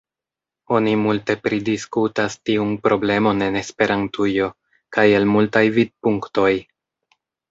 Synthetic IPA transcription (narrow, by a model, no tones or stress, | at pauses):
o̞nimulte̞pɾidiskutastiunpɾo̞ble̞mo̞ne̞ne̞spe̞ɾantujo̞ | kajelmultajvid̚puŋkto̞j